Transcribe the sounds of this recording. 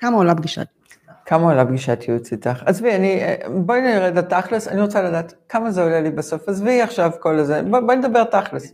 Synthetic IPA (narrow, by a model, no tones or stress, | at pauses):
kamaolabɡiʃa̰t̪i̥kʰamaolabɡiʃatʰiot͡sitaχazvianiboinʁedataχlesaniʁot͡saladaːtkamazeo̞lelibaso̞fazviaχʃavko̞lzebboned̪abe̞ʁtaχles